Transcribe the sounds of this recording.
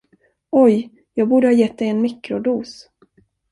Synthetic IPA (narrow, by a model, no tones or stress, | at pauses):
ɔj | jɑːɡ̚buːɖəhɑːjɛt̪̚d̪ɛjɛnmɪkɾʊd̪uːs